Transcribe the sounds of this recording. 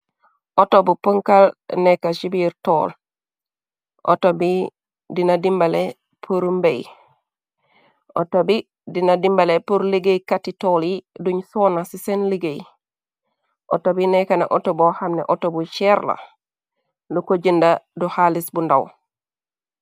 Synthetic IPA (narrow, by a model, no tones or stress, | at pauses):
ʔotobupəŋkalnekaʃibiɾto̰ːl | ʔo̰tobi | dinadimbale | pʰuɾumbej | ʔotobi | dinadimbalepuɾliɡejkatitoliduɲsoːnasisenliɡej | ʔo̰tobinekanaʔotobohamnḛʔotobut͡ʃeɾla̰ | lukoɟəndaduhalisbundaw